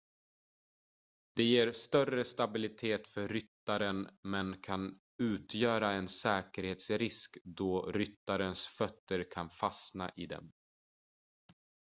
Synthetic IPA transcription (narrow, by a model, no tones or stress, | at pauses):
d̪̥ɛjeːɾst̪œrəst̪abɪlɪt̪ʰeːt̪fœɾʏt̪ːaɾənmɛnkʰan | ʉ̟ːt̪ʰjœːɾaɛnsɛːkəɾheːt̪sɾɪskd̪ɔɾʏt̪ːaɾənsfœt̪ːəɾkʰanfasna̰ʔɪd̪ɛ̰m